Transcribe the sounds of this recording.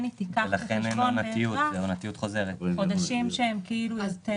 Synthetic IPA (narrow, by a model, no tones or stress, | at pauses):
nit̪ikaelaχenenonat̪iueonat̪ijut̪χo̞zeʁet̪od̪aʃimʃeemkiiluazt̪e